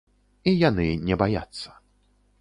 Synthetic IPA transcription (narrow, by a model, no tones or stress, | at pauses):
ijanɨnʲɛbaja̰t̪sːɐ̥